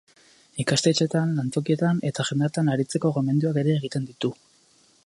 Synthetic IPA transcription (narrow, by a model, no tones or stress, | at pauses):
ikast̪et͡ʃe̞t̪anlant͡s̪o̞kie̞t̪ane̞t̪aʝend̪aɾt̪anaɾit͡se̞ko̞ɣo̞me̞nd̪uake̞ɾe̞ːɣ̞it̪e̞nd̪it̪u